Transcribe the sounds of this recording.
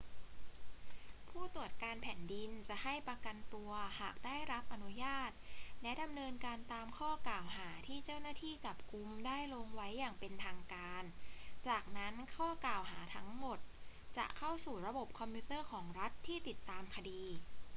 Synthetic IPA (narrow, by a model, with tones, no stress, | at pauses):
pʰuː˥˩t̪u˨˩ət̪̚kaː˧npʰɛː˩˦ndi˧nt͡ɕa˨˩ʔha˥˩jpa˧ka˧nt̪u˧ɐhaː˨˩k̚daː˥˩jɾa˦˥p̚ʔa˧nu˦˥jaː˥˩t̪̚lɛ˦˥da˧mnɤː˧nkaː˧nt̪aː˧mkʰɔː˥˩klaː˨˩wɦaː˩˦t̪ʰiː˥˩t͡ɕa˥˩wnaː˥˩t̪ʰiː˥˩t͡ɕa˨˩p̚ku˧mdaː˥˩jloː˧ŋwa˦˥jːaː˨˩ŋpe˧nt̪ʰaː˧ŋkaː˧nt͡ɕaː˨˩k̚na˦˥nkʰɔː˥˩kaː˨˩wɦaː˩˦t̪ʰa˦˥ŋmo˨˩t̪̚t͡ɕa̰˨˩ʔkʰa˥˩wsuː˨˩ɾa˧bo˨˩p̚kʰɔ˧mpʰu˦˥t̪ɤː˥˩kʰɔː˩˦ŋɾa˦˥t̪ʰːiː˥˩t̪i˨˩t̪ːaː˧mkʰa˧diː˧